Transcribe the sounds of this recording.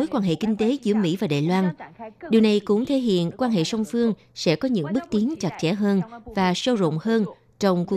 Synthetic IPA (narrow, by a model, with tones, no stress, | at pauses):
o˨˦jkwaː˧nɦḛ˧˨kï˧ŋ̟t̪e˨˦zɨ̰˧˩əmḭ˧˥vaː˨˩ɗa̰ː˧˨jlwaː˧nɗi˨˩əwna˨˩jkʊ̰˧˥ŋ͡mt̪ʰe˧˥ɦḭ˧˨ənkwaː˧nɦḛ˧˨sə˧wŋ͡mfɨ˧əŋ | sɛ̰˧˥kɔ˨˦ɲɨ̰˧˥ŋɓɨ˦˥k̚t̪i˨˦ənt͡ɕa˨˩t̚t͡ɕɛ̰˧˥ɦəː˧nvaː˨˩sə˧zo̰˧˨ŋ͡mhəː˧n | t͡ɕɔ˧wŋ͡mk